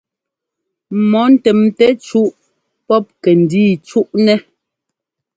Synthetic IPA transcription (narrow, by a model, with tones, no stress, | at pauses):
mɔ˨˦n̩˦˨tɛ˨mtɛ˦t͡ʃu˦ʔ | pɔ˦p̚kɛ˨n̩˨diː˦t͡ʃu˦ʔnɛ˦